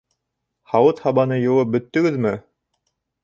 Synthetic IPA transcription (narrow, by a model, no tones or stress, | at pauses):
hɑwɤt̪hɑβɑnɤjŏwɤp̚bɵ̆t̪ːɵ̆ɡɘðmɘ